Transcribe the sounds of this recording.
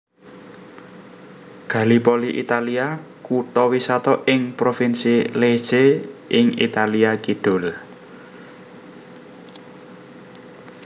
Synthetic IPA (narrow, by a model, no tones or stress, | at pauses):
ɡ̥a̤lipoliʔit̪aliakut̪ɔwisɔt̪ɔʔɪŋpɾofinsile̥seʔɪŋḭt̪aliakiɖ̪̥ʊ̤l